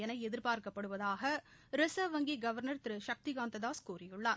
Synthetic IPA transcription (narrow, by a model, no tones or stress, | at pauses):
jɐnɐɪɛðɪɾpaːɾkɐpːɐɽɯʋɐðaːɣɐ | ɾɪsɐʋɐŋɡiɡɐʋɐɾnɐɾt̪ɪɾɯʃɐk̚t̪ɪɣaːnt̪ɐd̪aːskuːrɪjɯɭːaːɾ